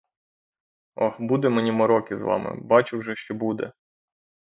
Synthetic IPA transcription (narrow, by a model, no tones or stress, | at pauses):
ɔ̰xbud̪ɛmenʲimɔɾɔkɪzʋɑ̰mɪ̰bɑt͡ʃɪwʒɛʃt͡ʃɔbud̪ɛ̰